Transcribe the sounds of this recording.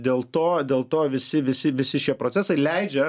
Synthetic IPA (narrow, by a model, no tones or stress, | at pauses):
d̪ʲeːlˠt̪oːd̪ʲeːlˠt̪oːʋʲɪsʲɪʋʲɪsʲɪʋʲɪsʲɪʃʲiɛpɾoːt͡ssʲæsɐɪlʲɛɪd͡ʒʲɛ